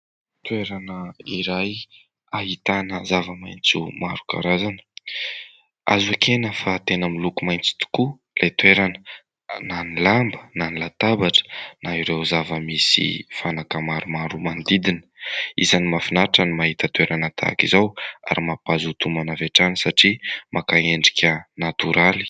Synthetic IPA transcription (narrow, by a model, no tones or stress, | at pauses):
t̪weɾanəiɾaj | aɦit̪anəzavəmajnt͡sumaɾu̥ka̰ɾazanə̥ | a̰zakʰenəfat̪enəmilukumajnt͡si̥t̪u̥ku | lʔejt̪weɾanə | nanilambə̥nanilat̪abaʈ͡ʂə̥naiɾewzavəmisḭfanakəmaɾumaɾumand̪id̪inə̥izanimafinaʈ͡ʂanimaɦit̪ət̪weɾanət̪ʰa̰kizawa̰ɾimapazut̪umanaveʈ͡ʂanisaʈ͡ʂimʔakaeɳɖ͡ʐi̥kʲənat̪uɾali̥